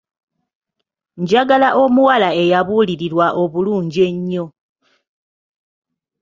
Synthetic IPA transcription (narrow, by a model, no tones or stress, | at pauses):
ɲɟaɡalaʔo̞muwalae̞jaβuːliɾiɾwaʔo̞βuluːɲɟie̞ɲːo̞